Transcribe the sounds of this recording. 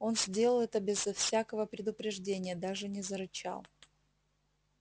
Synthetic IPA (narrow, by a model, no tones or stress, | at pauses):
o̞nzʲdʲelˠəlˠɛt̪əbʲɪzɐfsʲakəvəpɾʲɪd̪ʊpɾʲɪʐdʲenʲɪjəd̪aʐɨnʲɪzəɾɨt͡ɕa̰lˠ